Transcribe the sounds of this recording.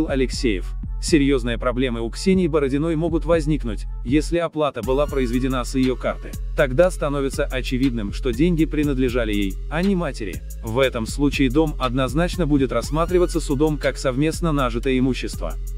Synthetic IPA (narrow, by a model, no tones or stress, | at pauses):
lˠɐlʲɪksʲejɪ̰f | sʲɪɾʲjo̞znɨjəpɾɐblʲe̞mɨʊksʲenʲɪjbəɾədʲɪno̞jmo̞ɡʊt̪vɐzʲnʲiknʊtʲ | jesʲlʲɪɐplˠat̪əbɨlˠapɾəɪzvʲɪdʲɪnasjɪjo̞kart̪ɨ | t̪ɐɡd̪ast̪ɐno̞vʲɪt̪səʔɐt͡ɕɪvʲid̪̚nɨmʂt̪o̞dʲenʲɡʲɪpɾʲɪnəd̪lʲɪʐalʲɪjej | ɐnʲɪmatʲɪɾʲɪ̰ | vɛt̪əmslˠut͡ɕɪɪd̪o̞mɐd̪nɐznat͡ɕnəbudʲɪt̪rɐsmat̪ɾʲɪvət̪sːəsʊd̪o̞mkaksɐvmʲe̞snənaʐɨt̪əjəɪmuɕːɪst̪və̰